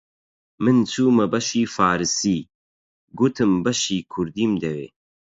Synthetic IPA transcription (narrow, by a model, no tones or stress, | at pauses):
mɨnt͡sʰuːmɐbɐʃiːfaːɾɨsiː | ɡut̪ʰɨmbɐʃiːkʰʊɾd̪iːmd̪ɐwḛː